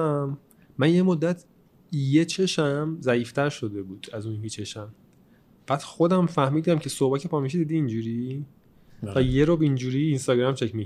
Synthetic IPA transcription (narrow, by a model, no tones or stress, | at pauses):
mː | ænje̞mod̪ːæt̪ʰ | je̞t͡ʃʰe̞ʃæmzæiːft̪ʰæɾʃo̞d̪e̞buːd̪̥æzuːnmit͡ʃʰe̞ʃæm | b̥æd̪̥xo̞d̪æmfæhmiːd̪æmcʰe̞sobæcepʰɒmiʃ̬id̪id̪iːnd͡ʒuːɾi | væjeɾoːbind͡ʒuːɾiːnst̪ɒːɟɾæmt͡ʃʰe̞cʰmi